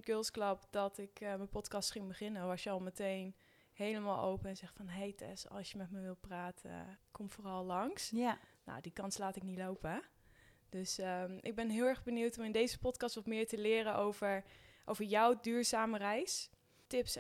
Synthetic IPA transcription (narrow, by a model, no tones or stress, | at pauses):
ɡ̥ølˠsklɑpdɔtɪkməpɔtkɑstsχɪŋbəχɪnəʋɑsjəɑlˠmətejn | hejləmaːlˠʔo̰wpəɛnzɛχfɑnɦejtʰɛ̰sɑ̰lˠsjəmɛtməʋɪlˠpraːtəkʰɔmfoːrɑlˠlɑŋsno̰wdikɑnslaːtɪknilowpə | d̥øsəʔɪɡ̚bɛnɦɪːlˠɛɹχbəniwtɔmɪndejzəpɔtkɑstʋɔtmɪːɹtəlɪːɾənʔowvəɹʔowvəɹjɔwdyːɹzaːmərɛjs | tɪps